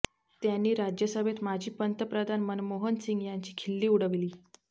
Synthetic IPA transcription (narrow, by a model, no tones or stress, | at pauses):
t̪janːiːɾad͡ʑjəsəbʱet̪mad͡ʑʱiːpənt̪əpɾəd̪ʱanmənmoɦənsiŋɡjaɲt͡ɕiːkʰilːiːuɽ̤əʋliː